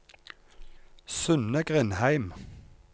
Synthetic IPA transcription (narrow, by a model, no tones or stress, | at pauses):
sʉnəɡʁɪnhæɪm